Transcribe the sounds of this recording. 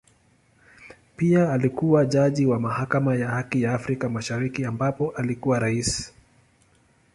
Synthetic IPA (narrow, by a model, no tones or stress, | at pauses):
piaːlikuwaʄaʄiwamahakamajahakijaːfɾikamaʃaɾikiambapɔʔalikuwaɾaisi̥